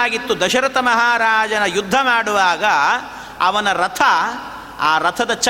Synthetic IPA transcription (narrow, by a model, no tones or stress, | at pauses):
aːɡit̪ːud̪ɐʃɐɾɐt̪ɐmɐɦaːɾaːd͡ʒɐnɐjud̪ʱːɐmaːɽuʋaːɡɐ | ɐʋɐnɐɾɐt̪ʰɐ | aːɾɐt̪ʰɐd̪ɐt͡ʃɐ